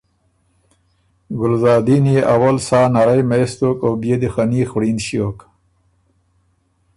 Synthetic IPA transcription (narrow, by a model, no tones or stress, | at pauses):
ɡʊlzɑːd̪ineʔawalsɑːnaɾajmast̪okawbjed̪exanixɽinʃiok